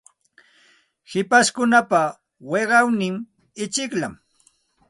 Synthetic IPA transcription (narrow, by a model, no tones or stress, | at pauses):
hɪpaskʊnapa | weɢɑwnɪm | ɪt͡ʃɪkla̰m